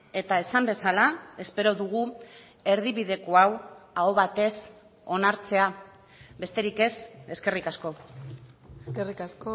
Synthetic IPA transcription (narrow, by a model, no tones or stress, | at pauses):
e̞t̪ae̞sambe̞salae̞spe̞ɾo̞ðuɣu | e̞ɾðiβiðe̞ko̞awao̞βat̪e̞s | o̞naɾt͡se̞a | be̞st̪e̞ɾike̞se̞ske̞rikasko̞ | skerikasko